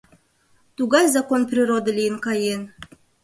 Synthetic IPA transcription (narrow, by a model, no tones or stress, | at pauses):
t̪uɡajʲzakonprʲiɾod̪əlʲijɪnkɑjen